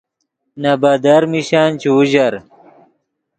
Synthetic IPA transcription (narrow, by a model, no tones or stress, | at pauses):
nɐbɐd̪ɐɾmiɕaːnt͡ɕiuʑɐɾ